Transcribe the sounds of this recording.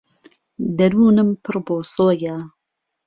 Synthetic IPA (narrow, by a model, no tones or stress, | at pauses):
d̪ɐɾuːnɨmpʰɨrboːsoːjaː